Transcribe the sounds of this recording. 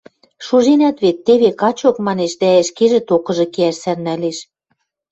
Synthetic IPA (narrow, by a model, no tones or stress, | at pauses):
ʃuʒenæt̪βet̪ːeβekɑt͡ɕokmɑneʃd̪æɘ̆ʃkeʒɘ̆t̪okɤ̆ʒɤ̆keæʃsærnæleʃ